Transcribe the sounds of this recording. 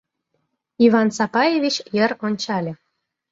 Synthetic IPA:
ivɑnsɑpɑjevʲit͡ɕjəɾonʲt͡ɕɑlʲĕ

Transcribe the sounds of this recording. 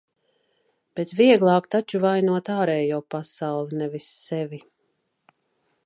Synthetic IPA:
b̥et̪viɛɡlˠɑːkt̪at͡ʃuvajnuɔt̪aːɾɛːjuːpasawlˠinɛvisːɛvi

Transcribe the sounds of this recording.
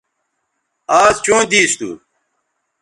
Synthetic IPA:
aːzt͡ɕũːd̪iːst̪ṵː

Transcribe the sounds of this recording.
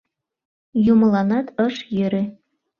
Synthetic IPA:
jumɤ̆lˠɑnɑt̪ɤʃjøɾe

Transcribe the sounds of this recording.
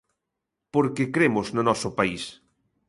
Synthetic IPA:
poɾkekɾemʊznʊnɔsʊpais

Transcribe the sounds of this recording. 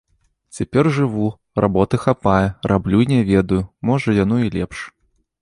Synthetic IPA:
t͡sʲapʲɛrʐɨvu | ra̰bɔt̪ɨxapajɛrʔablʲuinʲɛvʲɛd̪ɐjʊmɔʐɐjanɔilʲɛpʂ

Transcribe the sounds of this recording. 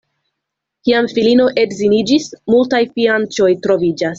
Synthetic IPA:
kiamfilino̞ʔe̞dzinid͡ʒismultajfiant͡ʃo̞jtɾo̞vid͡ʒas

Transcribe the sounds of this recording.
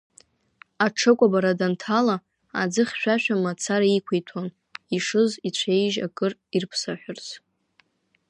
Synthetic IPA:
aʈ͡ʂʰɨkʷʼabaɾadantʰala | a̰d͡zɨχʲʃᶣaʃᶣamat͡sʰaɾaikʷʰejtʰon | iʂɨzit͡ɕʷʰejʒa̰kʼɨrirpʰsaħʷᶣʊrt͡sʰ

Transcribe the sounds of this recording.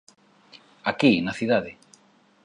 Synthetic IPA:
akinaθiðaðɪ

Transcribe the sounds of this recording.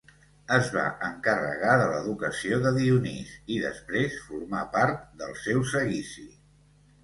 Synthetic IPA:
əzβa̰ʔəŋkərə̰ɣaðələðukəsioðəðiunisiðə̰spɾesfuɾmapaɾt̪̚d̪əlˠsɛwsəɣisi

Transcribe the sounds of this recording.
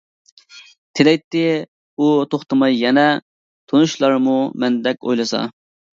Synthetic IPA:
t̪ʰɪlɛjt̪ːɪ | ut̪ʰoχt̪ɨmɑjːɛnɛ | t̪ʰonuʃlˠɑɾmumɛnd̪ɛk̚ʲo̰jlˠɨsɑ̰

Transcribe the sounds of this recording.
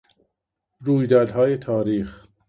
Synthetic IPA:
ɾuːjd̪ɒːɾd̪ɦɒːjet̪ʰɒːɾiːx

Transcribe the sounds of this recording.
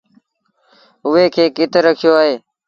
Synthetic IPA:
ʊɦeːkʰeːkɪt̪ɾəkʰɪjoːaːɦeː

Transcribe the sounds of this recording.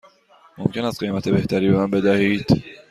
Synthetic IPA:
mo̞̰mcʰe̞næst̪ɢejmæt̪ʰe̞be̞ht̪ʰæɾiːbe̞mænbe̞d̪æhiːd̪̥

